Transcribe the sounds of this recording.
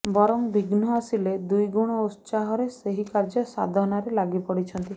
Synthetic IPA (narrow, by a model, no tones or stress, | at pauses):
bɔɾɔŋbʱiɡnɔasiled̪ujɡuɽ̃ɔust͡ʃaɦɔɾeseɦikaɾd͡ʒɔsa̰d̪ʱɔnɔɾelaɡipɔɽit͡ʃʰɔnt̪i